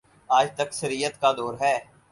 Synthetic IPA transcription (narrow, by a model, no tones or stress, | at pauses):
aːd͡ʒt̪əksəɾijət̪kad̪oːɾɦɛː